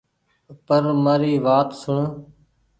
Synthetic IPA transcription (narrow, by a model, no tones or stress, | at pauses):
pəɾməːɾiːʋaːt̪sʊɳ